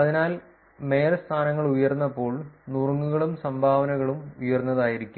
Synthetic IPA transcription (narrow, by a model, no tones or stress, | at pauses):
ɐðinaːl | me̞ːɾɐst̪ʰaːnɐŋːɐɭujɐrnːɐpːo̞ːɭnurŋːuɣɐɭumsɐmbʱaːʋɐnɐɣɐɭumujɐrnːɐðaːjiɾikʲːum